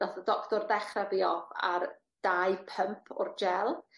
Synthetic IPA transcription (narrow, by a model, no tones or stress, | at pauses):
daθədɔktɔrðɛχrɛbiɔba̰r | d̥ajpʰəmpʰʊ̰rd͡ʒɛlˠ